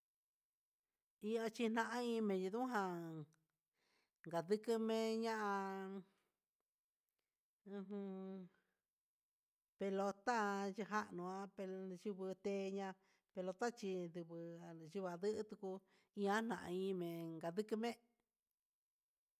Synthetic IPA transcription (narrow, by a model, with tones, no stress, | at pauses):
i˧˦a˧t͡ʃi˧n̥ã˧ʔã˦ĩ˧˦˧mẽ˨˧ji˧ðũ˦ɦã˧ | ŋɡa˨ðɨ˧kɨ˧mẽ˧ɲã˦ʔã˧ | ũ˧ɦɨ̃˧ | pe˧lo˧t̪a˦˧ʒɨ˧ɦa˦ʔnũ˧ã˧pe˧ʒu˧βɨ˧t̪e˧˦˧ɲã˧ | pe˧lo˧t̪a˦t͡ʃi˧ðu˧βɨ˧ʒi˧βa˧˨ðɨ˦ʔt̪u˧ku˧ | ĩ˧ã˦n̥ã˨ʔã̰˧ĩ˧mẽ˨ŋɡa˨ðɨ˦kɨ˧mẽ˦